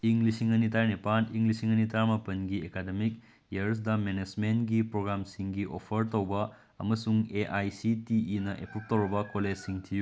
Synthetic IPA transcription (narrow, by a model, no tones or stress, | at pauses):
iŋlisiŋɐnit̬aɾnipaniŋɡlisiŋɐnitaɾmɐpɐnɡiekademik | jɐɾs̬dɐmened͡ʒmentɡipɾoɡɾamsiŋɡiʔopʰɐɾtowbɐ | ɐmɐsuŋeʔajsitiinɐʔepʰup̚tɐwɾɐbɐkoled͡ʒsiŋtʰiju